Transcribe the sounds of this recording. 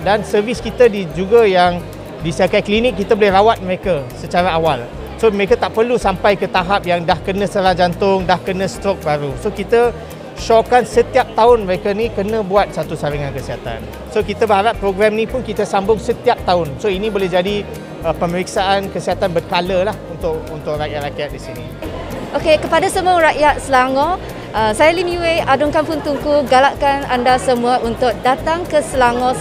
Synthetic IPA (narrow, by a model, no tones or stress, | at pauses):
dansərviskit̪ədid͡ʒuɡajaŋ | disiakajklinɪk̚ːit̪əbolɛhrawat̪̚məɾekasət͡ʃaɾaawal | soməɾekat̪aʔpərlusampajkət̪aɦap̚jaŋdahkənə̃səlaŋd͡ʒant̪ʊŋdahkənə̃st̪ɾɔk̚baɾusokit̪ə | ʃɔkansət̪iap̚t̪aʊnməɾekanikənə̃buat̪̚sat̪usaɾiŋankəsəɦat̪a̰n | sokit̪əbəɦaɾapːɾoɡɾamnĩpʊnkit̪əsambʊŋsət̪iap̚t̪aʊnsoinĩbolɛhd͡ʒadi | əpəməɾik̚saʔankəsəɦat̪anbərkaləlahunt̪ʊk̚unt̪ʊk̚raʔjat̪̚raʔjat̪̚disinḭ | ʔokekəpadasəmuaɾaʔjat̪̚səlaŋɔ̃ | ʔəsajalimiweadʊŋkanpʊnt̪uŋkuɡalaʔ̚kanandasəmuaʔunt̪ʊk̚dat̪aŋkəsəlaŋɔ̃